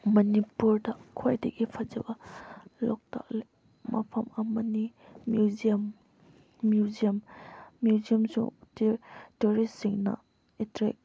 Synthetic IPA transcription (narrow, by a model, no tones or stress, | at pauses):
mɐnipuɾdɐkʰojdɐɡipʰɐd͡ʒɐbɐlɔk̚ta̰kle | mɐpʰɐmɐmɐnimjuziɐmː | juziɐmːjuziɐmsṵŋttuɾissiŋnɐ̰ | etɾḛk̚